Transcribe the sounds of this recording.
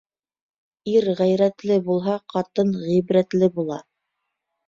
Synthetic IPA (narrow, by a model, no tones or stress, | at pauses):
iɾʁæjɾæt̪lɘbulˠɦɑqɑt̪ɤnʁibɾæt̪lɘbulˠɑ